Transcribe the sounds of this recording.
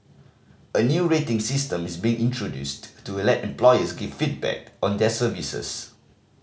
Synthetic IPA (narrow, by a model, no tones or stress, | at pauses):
ənjuɹetɪ̃ŋsistə̃misbĩɪ̃ŋʔĩntʰɹodjṵsttulɛtɛ̃mplɔjəsɡivfit̚bɛ̰k̚ɔ̃ndɛsəvisə̰s